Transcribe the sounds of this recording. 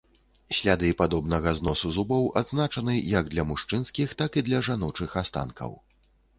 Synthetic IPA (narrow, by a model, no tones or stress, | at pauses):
sʲlʲad̪ɨpad̪ɔbnɐɣɐznɔsuzubɐwʔa̰d̪znat͡ʂɐnɨjɐɡd̪lʲɐmuʂt͡ʂɨnskʲixt̪akid̪lʲɐʐanɔt͡ʂɨxast̪a̰nkʰɐ̰w